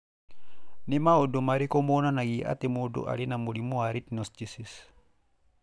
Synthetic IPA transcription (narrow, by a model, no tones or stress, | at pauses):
nemaodomaɾikomonanaɡiʔa̰t̪emodo̰ʔa̰linamolimoaɾit̪̚nɔstisis